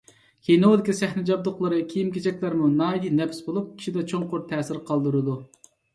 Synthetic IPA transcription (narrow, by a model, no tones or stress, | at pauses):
kʲʰenood̪ɪkʲisɛhnɪd͡ʒɑb̚d̪ʊqlˠəɾɨkʲʰijimkʲʰet͡ʃʰɛkʲlæɾmunɑːjinɛpsbolˠup̚kʲʰi̥ʃid̪ɛt͡ʃʰoŋqʊɾt̪ʰɛːsɪɾqʰɑlˠd̪uɾɨd̪u